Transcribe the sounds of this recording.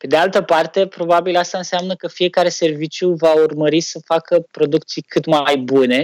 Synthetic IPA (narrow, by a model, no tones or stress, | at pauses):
pe̞d̪ealt̪əpart̪e̞pɾo̞babilast̪aɨnseamnəkəfije̞kaɾe̞se̞rvit͡ʃjuvaurməɾisəfakəpɾo̞d̪uk̚t̪sijkɨt̪majbune̞